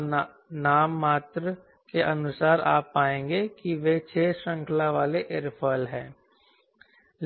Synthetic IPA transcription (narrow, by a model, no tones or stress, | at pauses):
naːmːaːt̪ɾ | keʔɐnʊsaːɾa̰ːpaːẽːŋɡekiʋet͡ʃʰeːʃə̃ŋkʰlaʋaːleʔɪɾpʰəlɦɛ̰̃ː